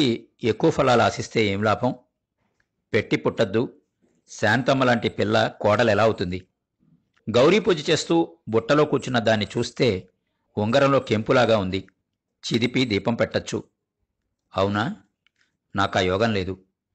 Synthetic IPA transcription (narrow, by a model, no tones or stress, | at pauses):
i | ekːuʋɐpʰɐlaːluɐsist̪e̞ːe̞ːmlaːpɐm | pe̞ʈːipuʈːɐd̪ːu | saːnt̪ɐmːɐlaːɳʈipilːɐkɔːɽɐlɛlaːut̪und̪i | ɡɐwɾiːpud͡ʒit͡ʃe̞ːst̪uːbuʈːɐlo̞ːkuːt͡ʃunɐd̪aːnːit͡ʃuːst̪e̞ː | uŋɡɐɾɐmlo̞ːke̞mpulaːɡaːund̪i | t͡ʃid̪ipid̪iːpɐmpɛʈːɐt͡ʃːṵ | ɐwunɐ | naːkaːjɔːɡɐnle̞ːd̪u